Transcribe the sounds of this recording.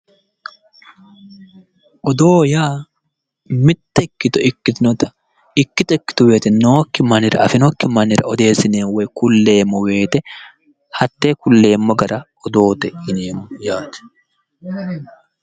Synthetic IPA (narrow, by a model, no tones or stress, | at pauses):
ʔɔd̪oːjaː | mɪt̪ːɐɪkːɪt̪ʊɪkːɪt̪ɪnɔt̪ɐ | ɪkːɪt̪ɔɪkːɪ̥t̪ʊweːt̪ɛnoːkːɪmɐnɪɾ̰ɐfɪnɔkːɪmɐnɪɾɐ̰ɔd̪e̞ːsɪneːwɛjkʊlːe̞ːmːɔwe̞ːt̪ɛ | hɐt̪ːeːkʊlːe̞ːmːɔɡɐɾɐ | ɔd̪o̞ːt̪ɛʔɪneːmɔjaːt̪ɛ̥